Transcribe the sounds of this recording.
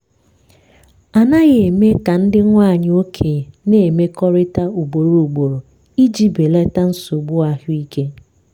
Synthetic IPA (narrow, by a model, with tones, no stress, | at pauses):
a˨na˦ɣe˨e˨me˦ka˨n̩˦dɪ˦ŋʷa˦˨ɲ˨o˦kʰe˨ne˦˨me˦kɔ˦ɾɪ˦ta˦u˨ɡ͡bo˨ɾu˨ɡ͡bo˨ɾo˨ | i˦d͡ʒi˦be˨le˦ta˦n̩˦so˨ɡ͡bʊ˦a˨ɦʊ˦i˦ke˦